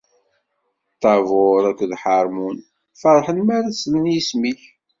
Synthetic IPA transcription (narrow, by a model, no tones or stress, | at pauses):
t̪ˤːɑvʊɾækʷːðħɑɾˤmun | fɑɾˤħənmæɾæslənjismiç